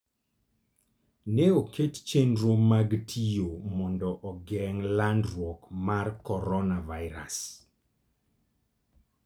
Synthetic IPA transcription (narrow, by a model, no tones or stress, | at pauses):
nɛokʰett͡ʃendɾomaɡtʰijomɔndɔʔɔɡɛŋlandwɔkmarkɔɾɔnavaɪɾa̰s